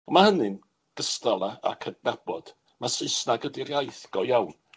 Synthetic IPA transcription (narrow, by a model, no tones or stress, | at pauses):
ɔmahənɨn | ɡ̥əstalˠaa̰kʰədnab̥ɔd̥ | masɪsnaɡədirjajθɡ̥ɔjawn